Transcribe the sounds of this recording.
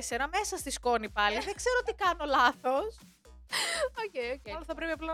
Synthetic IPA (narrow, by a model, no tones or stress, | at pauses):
senɐme̞sɐst̪isko̞nipɐliðeɡ̥ze̞ɾot̪ikɐno̞lɐθos | ocejoceloθɐpɾe̞piɐplɐ